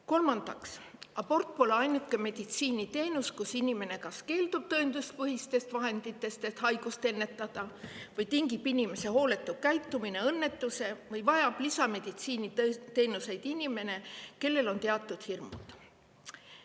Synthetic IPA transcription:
ko̞lmɑnd̪̥ɑksɑbo̞rt̪̚po̞leɑjnukːˑe̞me̞d̪̥it̪siːnit̪e̞ːnuskusinʲime̞ne̞kɑske̞ːld̪̥ub̥̚t̪ɤ̞end̪̥ust̪̚pɤɦist̪e̞st̪vɑɦe̞nd̪̥it̪ːˑe̞st̪e̞t̪hɑjɡ̥ust̪e̞nːe̞t̪ːˑɑd̪̥ɑvɤjt̪iŋɡipːinʲime̞se̞ɦo̞ːle̞t̪ːˑukæjt̪ːˑumine̞ɤnːe̞t̪ːˑuse̞vɤjvɑjɑb̥lisɑme̞d̪̥it̪siːnit̪e̞ːnuse̞jd̪̥inʲime̞ne̞ke̞lːe̞lo̞nt̪e̞ɑt̪ːˑud̪̥hirmṵd̪̥

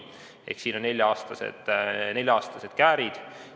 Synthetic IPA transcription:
e̞̰hksiːnonːe̞lʲjɑɑːst̪ɑse̞̰d̪̥ne̞lʲjɑɑːst̪ɑse̞d̪̥kæːɾid̪̥

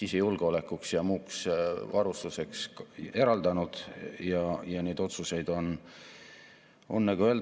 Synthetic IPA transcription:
isejulɡ̥o̞le̞kːˑuksjɑmuːksvɑɾust̪use̞kse̞ɾɑld̪̥ɑnud̪̥jɑjɑne̞jd̪o̞t̪suse̞jd̪̥o̞n | o̞nːɑɡuø̞l

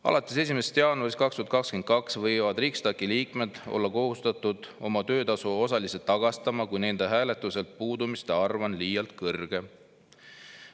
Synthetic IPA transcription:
ɑ̰lɑt̪ːˑese̞sʲimest̪jɑːnuɑriskɑkst̪yuɑt̪kɑkskyen̚kɑksvɤjvɑd̪riːkst̪ɑkːiliːkme̞d̪̥o̰lːɑko̞hust̪ɑt̪ˑud̪̥o̞mɑt̪ø̞ːt̪ɑsuo̞sɑliset̪ːɑɡ̥ɑst̪ɑmɑkujne̞nd̪̥e̞ɦæːle̞t̪ːˑuse̞lt̪̚puːd̪umist̪e̞ɑrvɑnliːjɑlt̪kɤrɡ̥e̞

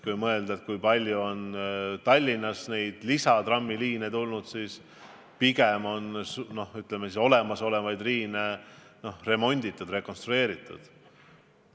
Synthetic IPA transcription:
kujmɤ̞e̞ld̪ɑet̪̚kujpɑlʲjuo̞nt̪ɑlʲːinːɑsne̞jd̪̥lisɑt̪rɑmːiliːnet̪ulnud̪̥siːs | piɡ̥emo̞nsno̞hyt̪ˑlemesiso̞le̞mɑso̞le̞vɑjd̪riːne | no̞hre̞mo̞nʲd̪̥it̪ːˑud̪re̞ko̞nst̪ɾue̞ːɾit̪ːˑṵd̪̥

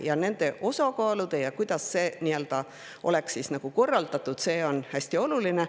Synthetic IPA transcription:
jɑne̞nd̪̥e̞ʔo̞sɑkɑːlud̪̥e̞jɑkujd̪̥ɑsːe̞ːnield̪̥ɑ | ʔo̞̰le̞ksiːsnɑɡ̥uko̞rːɑld̪ɑt̪ːˑud̪̥se̞ːo̞nhæsʲt̪io̞luline

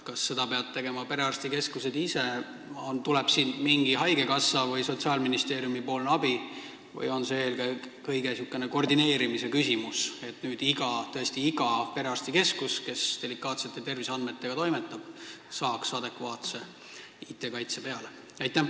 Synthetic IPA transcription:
kɑsːe̞d̪ɑpe̞ɑd̪̚t̪ːe̞ɡe̞mɑpe̞ɾe̞ɑrst̪ike̞skuse̞d̪ise | ont̪ulɛb̥siːnmiŋɡ̥iɦɑjɡe̞kɑsːɑvɤjso̞t̪siɑːlminist̪e̞ːɾjumipo̞ːlnɑbi | vɤ̰jo̞nseelke | kɤjɡ̥e̞sjukːˑe̞neko̞rd̪ine̞ːɾimise̞kysimuse̞t̪nyːd̪̥iɡɑt̪ɤe̞sʲt̪iiɡ̥ɑpe̞ɾeɑrst̪ike̞skuske̞sd̪̥e̞likːˑɑːt̪se̞t̪ːˑet̪e̞rvisɑnd̪̚me̞t̪ːe̞ɡ̥ɑt̪o̞jmet̪ːˑɑb̥sɑːksɑd̪e̞kvɑːt̪se̞ | it̪ːˑe̞kɑjt̪se̞pe̞ɑle | ɑjt̪ːˑæ

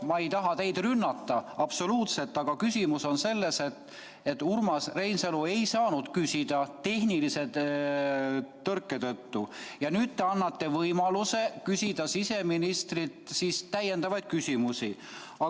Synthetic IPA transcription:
mɑe̞jt̪ɑɦɑt̪e̞jd̪̥rynːɑt̪ːɑɑb̥so̞luːt̪se̞lt̪ːˑɑɡ̥ɑkysʲimuso̞nse̞lːe̞se̞t̪ː | e̞t̪ːˑurmɑsre̞jnselue̞jsɑːnud̪̥kysid̪̥ɑt̪e̞hnilise̞ | t̪ːɤrkːˑe̞t̪ɤt̪ːujɑnyːd̪̥̚t̪eɑnːɑt̪ːe̞vɤjmɑluse̞kysʲid̪̥ɑsise̞minist̪rit̪siːst̪æje̞nd̪ɑvɑjd̪̥̚kysʲimusi | ɑ

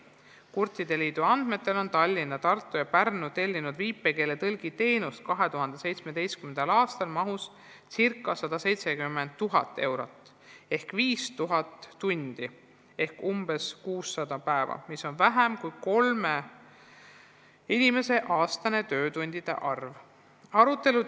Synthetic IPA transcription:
kurt̪ˑːid̪̥e̞liːd̪̥uɑnd̪̥me̞t̪ːˑe̞lo̞nt̪ɑlʲːinːɑt̪ɑrt̪ːˑujɑpærnut̪e̞lʲːinud̪viːpːˑe̞ke̞ːlet̪ɤlɡ̥it̪e̞jnust̪̚kɑɦe̞t̪uɦɑnd̪̥e̞se̞jt̪sme̞d̪̥e̞jst̪kymend̪ɑlɑːst̪ɑlmɑɦus | sirkːˑɑsɑd̪̥ɑse̞jt̪se̞kymːend̪̚t̪ːuɦɑ̰t̪ːˑe̞wɾo̞t̪ːˑ | e̞hkviːst̪uɦɑt̪ːunʲd̪̥i | e̞hkumb̥e̞skuːsːɑd̪̥ɑpæevɑ̰miso̞nvæɦæmkujko̞lme | inʲime̞se̞ʔɑːst̪ɑne̞t̪ø̞ːt̪unʲd̪̥id̪̥e̞̰ʔɑrv | ɑɾut̪ːˑe̞lu

